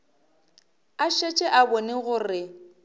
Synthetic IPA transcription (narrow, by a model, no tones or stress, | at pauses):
aʃet͡ʃʼɛʔabɔnɪɣʊːrɪ